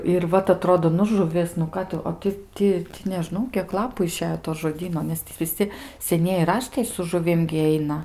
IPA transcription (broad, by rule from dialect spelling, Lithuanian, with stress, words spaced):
ɪr ˈʋɐt ɐˈtroːdoː nʊ ʒʊˈʋʲɪs nʊ ˈkɑː tʊ oː ˈtʲɪ ˈtʲɪ nʲɛˈʒnɐʊ kʲiɛk ˈlˠɑːpʊ ɪˈʃʲæːjoː toː ʒoːˈdʲiːnoː nʲɛs ˈtʲiː ʋʲɪˈsʲɪ sʲɛˈnʲiɛjɪ ˈrɑːʃtɐɪ sʊ ʒʊˈʋʲɪm ɡʲɪ ˈɛɪnɐ